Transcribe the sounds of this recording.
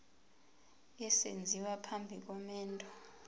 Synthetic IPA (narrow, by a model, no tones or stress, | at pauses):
ɛsḛnd͡zʱiwapʰambʱik̬ʼɔmɛːntʼɔ̥